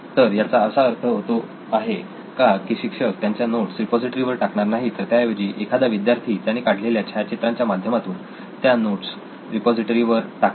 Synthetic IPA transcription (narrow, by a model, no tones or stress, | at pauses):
t̪əɾjat͡saəsaəɾt̪ʰəɦot̪o | aɦe | kakiːɕikʂəkt̪jaɲt͡ɕjanoʈsɾipɔd͡ziʈəɾiʋəɾʈakɳaɾnaɦit̪əɾt̪jaʋed͡ʑiːʔekʰad̪aʋid̪jaɾt̪ʰiːt̪jañikaʈʰleljat͡ɕʰajat͡ɕet̪ɾãɲt͡ɕjamad̪ʱjəmat̪uːn | t̪janoʈs | ɾipɔd͡ziʈəɾiʋəɾʈak